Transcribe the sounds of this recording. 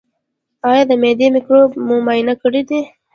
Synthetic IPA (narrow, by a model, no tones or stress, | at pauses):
ɑjɑd̪əmed̪emɪkɾobmʊmajɪnakəɽid̪i